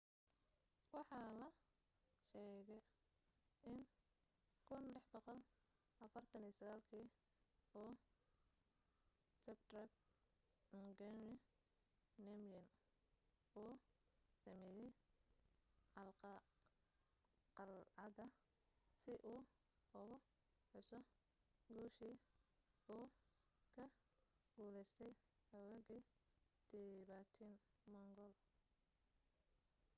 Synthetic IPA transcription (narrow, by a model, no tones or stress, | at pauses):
wɑħɑːlɐ | ʃɛːɣɛj | ɪn | kʰʊnlɪħbɑqɔl | ʔɐfɐrt̪ʰɐniːsɐɣaːlkʰiː | ɔː | sɛb̚t̪rɐk | ŋɡɛnɪ | nɛmjɐn | uːsɐmɛjɛj | ʕɑlqɑ | qɑlʕɑdɐ | sɪʔuː | ʊɣʊ | ħʊsɔ | ɡuːʃiː | uː | kʰɐ | ɡuːlɛjst̪ʰɛj | ɐwɐɣid̪̥ɛβaːt̪ʰinmɐŋɡɔl